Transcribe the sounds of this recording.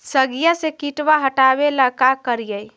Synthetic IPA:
səɡijəsekiʈwaɦəʈabeləkakəɾijəj

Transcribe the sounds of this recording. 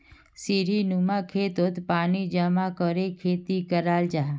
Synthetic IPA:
siɾinumãkʰet̪ot̪panid͡ʒəmakəɾekʰeːt̪ikəɾald͡ʒaɦ

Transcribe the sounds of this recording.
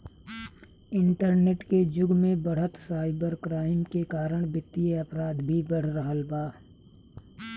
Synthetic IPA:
ɪ̃ɳʈəɾneːʈked͡ʒʊɡmẽbəɽ̤ət̪saːɪbəɾkɾaːɪmkekaːɾəɽ̃bɪt̪ːieɐpɾaːd̪bʱibəɽ̤ɾəɦəlbaː

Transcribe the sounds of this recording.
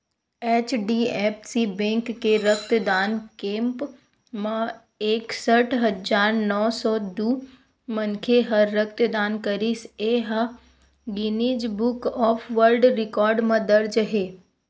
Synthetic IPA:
eːt͡ʃɖiɛːpʰsibẽːŋkːeɾək̚t̪əd̪aːnkẽːmp | mã | eːksəʈʰɦɐd͡ʒaːɾnɔːsɔːd̪uː | mənkʰeɦɐɾːək̚t̪d̪aːnkəɾiseːɦə | ɡɪniːd͡ʒbʊkɔːpʰʋəɾɖɾɪkɔːɾɖmãd̪əɾd͡ʒɦeː

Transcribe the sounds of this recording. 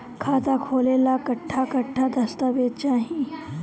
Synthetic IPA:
kʰaːt̪akʰoːlelakɐʈʰːakɐʈʰːad̪ɐst̪əʋeːd̪̚t͡ʃaːɦĩ

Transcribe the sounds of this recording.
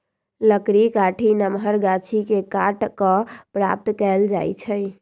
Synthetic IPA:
ləkɽikaʈʰinəmɦəɾɡat͡ʃʰikekaʈkəpɾa̰p̚t̪kɛld͡ʒa̰jt͡ʃʰəj

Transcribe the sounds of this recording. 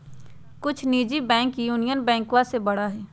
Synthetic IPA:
kʊt͡ʃʰniːd͡ʒibɛ̃ːŋkjuːnijənbɛ̃ːŋkwãsebɐɽaɦɛː

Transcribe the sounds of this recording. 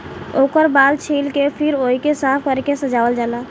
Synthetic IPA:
oːkəɾbaːlt͡ʃʰiːlkepʰɪɾoːikesaːpʰkəɾkesəd͡ʒaːʋəld͡ʒaːlaː

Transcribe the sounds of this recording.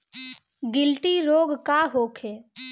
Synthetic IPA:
ɡɪlʈiɾoːɡkaɦoːkʰeː

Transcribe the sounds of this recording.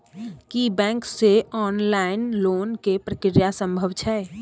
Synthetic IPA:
kibɛ̃ːŋkseɔːnlaɪnloːnkepɾəkɪɾjasə̃mbʱəbt͡ʃʰɛː

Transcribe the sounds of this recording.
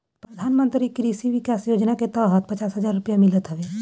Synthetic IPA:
pɾəd̪ʱaːnmə̃nt̪ɾikɾisiʋɪkaːsjoːd͡ʒnaket̪ɔːɦət̪̚pɐt͡ʃaːsɦəd͡ʒaːɾːʊpjamɪlət̪ɦəʋeː

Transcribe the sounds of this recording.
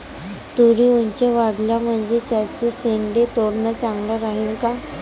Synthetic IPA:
t̪uɽiuɲt͡ɕaʋaɽljam̤əɳd͡zet͡ɕat͡səseɳɖet̪oɾnət͡sãŋɡləɾaɦiːlka

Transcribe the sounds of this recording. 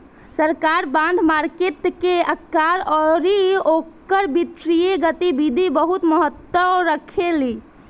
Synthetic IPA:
səɾkaɾbãnd̪ʱmaɾkeʈ̪keəkːaɾɔɾiokəɾbit̪ɾijeɡət̪ibid̪ʱibəɦut̪məɦət̪ːwəɾəkʰeli

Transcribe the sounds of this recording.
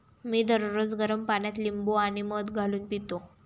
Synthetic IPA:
miːd̪əɾɾod͡zɡəɾəmpaɳjat̪limboaɽ̃iməd̪ɡʱaluːnpit̪o

